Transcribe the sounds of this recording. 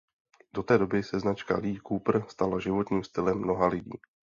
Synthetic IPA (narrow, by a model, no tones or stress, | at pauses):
do̞t̪ɛːdo̞bɪsɛznat͡ʃka̰liːkupr̩st̪alaʒɪvo̞t̪ɲiːmst̪ɪlɛmːno̞ɦalɪɟḭː